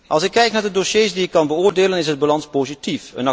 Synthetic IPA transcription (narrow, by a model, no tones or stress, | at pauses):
ʔɑlˠsɪkːɛjknaːɹdədoʃejsdiɪkɑnbəʊːɹdeːlənɪsɦəd̚balɑnspowzitifənɑ